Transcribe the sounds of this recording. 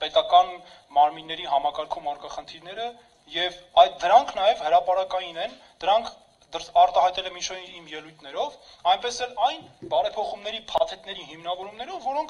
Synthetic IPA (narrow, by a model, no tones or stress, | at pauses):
pɛt̪ɑkɑn | mɑɾminːɛɾiɦɑmɑkɑɾkʰumɑɾkɑχənt̪ʰiɾnɛɾə | jɛvɑjd̪əɾɑŋkʰnɑjɛvhəɾɑpɑɾɑkɑjinɛn | d̪̥əɾɑŋkʰ | d̪əɾɑɾt̪ɑhɑjt̪ɛlɛmint͡ʃʰɛɾimjɛlujt̪ʰnɛɾɔvɑjnpɛsɛlɑjnbɑɾɛpʰɔχumnɛɾipʰɑt̪ʰɛt̪nɛɾiɦimnɑvɔɾumnɛɾɔvːɔɾɔŋkʰ